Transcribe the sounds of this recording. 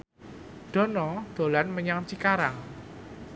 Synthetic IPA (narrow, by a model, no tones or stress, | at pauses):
d̥ɔ̤nɔd̪̥o̤lanməɲaŋt͡ʃikaɾaŋ